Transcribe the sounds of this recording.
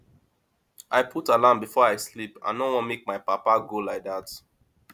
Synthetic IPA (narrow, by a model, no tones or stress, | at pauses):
ʔaɪpʰutalãmbifɔaɪslipã̰nowɔ̃nmek̚maɪpapaɡolaɪk̚ðat